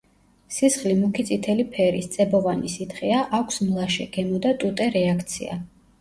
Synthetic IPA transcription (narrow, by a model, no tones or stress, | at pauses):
sisχlimukʰit̪sʼit̪ʰɛlipʰɛɾist̪sʼɛbɔvanisit̪ʰχiaʔakʷʰsmlˠaʃɛ̰ɡ̥ɛmɔd̪at̪ʼut̪ʼɛɾɛakʰt̪sʰḭa̰